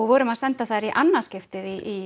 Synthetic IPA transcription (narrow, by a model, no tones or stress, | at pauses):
ɔɣvɔːɾʏmaðsɛnt̪aθaðɾiʔanːascɪft̪ɪðiʔː